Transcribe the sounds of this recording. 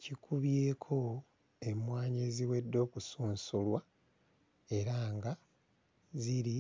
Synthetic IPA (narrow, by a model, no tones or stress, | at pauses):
cikʰuβje̞ːkʰo̞ | e̞mwaːɲeziwe̞dːo̞ːkusuːnsulwa | e̞ɾaːŋɡa | ziɾi